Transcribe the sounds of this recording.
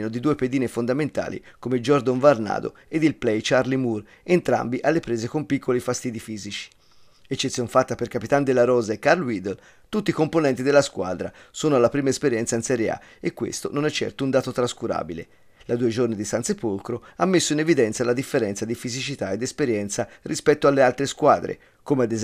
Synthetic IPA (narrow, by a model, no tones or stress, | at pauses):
nod̪id̪uːeped̪iːnefond̪ament̪a̰ːlḭkomed͡ʒɔrd̪oɱvarna̰ːd̪o̰ | ed̪ilplɛjt͡ʃarlimur | ent̪ɾa̰mbiʔalːepɾeːzekompikʰːolifast̪iːd̪ifiːzit͡ʃi̥ | et͡ʃːet̪sːjɔnfat̪ːaperkapit̪and̪elːaɾɔːzaekːarlwid̪el | t̪ut̪ːikomponɛnt̪id̪elːaskwa̰d̪ɾasoːnoalːapɾiːmaespeɾjɛnt̪sainsɛɾjea̰ | ekːwḛst̪ononɛt͡ʃːɛ̰rt̪ound̪aːt̪ot̪ɾaskuɾa̰ːbilḛ | lad̪uːed͡ʒornid̪isant̪sepolkɾoamːesːoinevid̪ɛnt̪salad̪ifːeɾɛnt̪sad̪ifizit͡ʃit̪aed̪ːespeɾjɛnt̪sarʔispɛt̪ːoalːealt̪ɾeskwaːd̪ɾḛ | koːmead̪e